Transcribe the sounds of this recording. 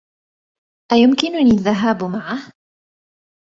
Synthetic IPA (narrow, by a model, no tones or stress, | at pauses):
ʔajʊmkɪnʊniːaðːaɦaːbmaʕah